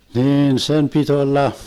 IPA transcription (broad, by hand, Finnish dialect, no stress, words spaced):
niːn sem pit olːɑ